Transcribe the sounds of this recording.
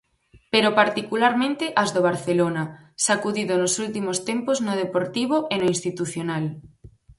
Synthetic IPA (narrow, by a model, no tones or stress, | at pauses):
peɾopaɾt̪ikulaɾmẽnt̪ɪʔɐzðoβ̞aɾθelonɐsakuðiðonʊsult̪imost̪empoznʊð̞epoɾt̪iβ̞oʔenoinst̪it̪uθjonal